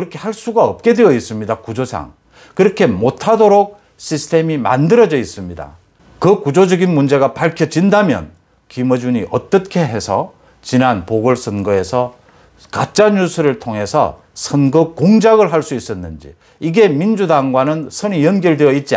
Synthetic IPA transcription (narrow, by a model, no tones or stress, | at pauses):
ɯɾʌkʰe̞haɭs͈uɡaʌp̚k͈e̞dweʌis͈ɯmɲidakud͡ʑosʰa̰ŋ | kɯɾʌkʰe̞motʰadoɾok̚ | ɕʰisʰɯ̥tʰe̞mima̰ndɯɾʌd͡ʑʌis͈ɯmɲida̰ | kɯkud͡ʑod͡ʑʌɡinmund͡ʑe̞ɡapaɭkʰjʌd͡ʑindamjʌ̰n | kimɯd͡ʑuɲiʔʌt͈ʌkʰe̞ɦe̞sʰʌ | t͡ɕinanpoɡɯɭsʰʌnɡɯe̞sʰʌ | kat͡ɕ͈aɲusʰɯɾɯɭtʰoŋɦe̞sʰʌ̰ | sʰʌnɡɯkoŋd͡ʑaɡɯɭɦaɭs͈uis͈ʌnːɯnd͡ʑḭ | iɡe̞mind͡ʑudaŋɡwanɯnsʰʌnijʌnɡjʌɭdwejʌit̚t͡ɕ͈i